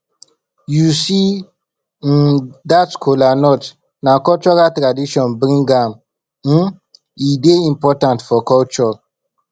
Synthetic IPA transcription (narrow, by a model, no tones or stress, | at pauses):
jusi | datkʰolanɔt | nakɔt͡ʃɔɾatɾadiʃɔ̃nbɾĩŋɡam | m̩ | ideĩmpɔtãntfɔkɔlt͡ʃɔ